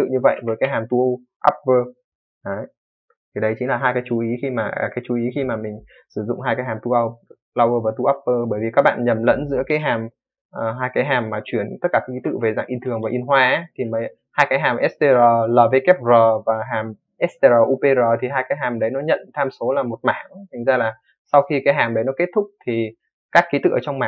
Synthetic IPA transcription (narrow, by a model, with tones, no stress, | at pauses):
t̪ɨ̰˧˨ɲɨ˧və̰˧˨jvəː˨˦jkaː˨˦jɦaː˨˩mt̪u˧ʔ | ʔa̰ː˦˥p̚vəː˧ | ʔə˨˦j | t̪ʰi˨˩ɗə˨˦jt͡ɕi˨˦ŋ̟laː˨˩ɦaː˧jkaː˨˦t͡ɕu˨˦ʔi˨˦xi˧maː˨˩˨kaː˨˦jt͡ɕu˨˦ʔi˨˦xi˧maː˨˩mï˨˩ŋ̟ | sɨ˧˩zʊ̰˧˨ŋ͡mɦaː˧jkaː˨˦jɦaː˨˩mt̪u˧ʔa˧w | laː˧wvəː˧vaː˨˩t̪u˧ʔaː˦˥p̚vəː˧ɓəː˧˩jvi˨˩kaː˦˥k̚ɓa̰ː˧˨nɲə˨˩mlə̰˧˥nzɨ̰˧˥əkaː˨˦jɦaː˨˩m | ʔːɦaː˧jkaː˨˦jɦaː˨˩mːaː˨˩t͡ɕwi˧˩ənt̪ə˦˥t̚kaː˧˩kːki˨˦t̪ɨ̰˧˨ve˨˩za̰ː˧˨ŋʔi˧nt̪ʰɨ˨˩əŋvaː˨˩ʔi˧ənɦwaː˧ʔt̪ʰi˨˩mə˨˦j | haː˧jkaː˨˦jɦaː˨˩mʔɛ˦˥st̪e˧zəː˨˩ləː˨˩ve˨˦kɛ˦˥p̚zəː˨˩vaː˨˩ɦaː˨˩m | ʔɛ˦˥st̪e˧zəː˨˩ʔu˧pe˧zəː˨˩t̪ʰi˨˩ɦaː˧jkaː˨˦jɦaː˨˩mɗə˨˦jnɔ˨˦ɲə̰˧˨nt̪ʰaː˧mso˨˦laː˨˩mo˨˩t̚maː˧˩ŋt̪ʰi˨˩ŋ̟zaː˧laː˨˩ | sa˧wxi˧kaː˨˦jɦaː˨˩mɗə˨˦jnɔ˨˦ke˦˥t̚t̪ʰʊ˦˥k͡p̚t̪ʰi˨˩ | kaː˦˥kːi˨˦t̪ɨ̰˧˨ʔəː˧˨˩t͡ɕwŋ͡mmaː˧˨˩